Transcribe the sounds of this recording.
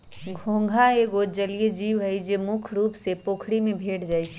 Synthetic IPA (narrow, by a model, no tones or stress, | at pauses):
ɡʱõːŋɡʱaeːɡod͡ʒɐlijed͡ʒiːʋɦɛid͡ʒemʊkʰɾuːpsepoːkʰɽimẽbʱeːʈd͡ʒaːit͡ʃʰ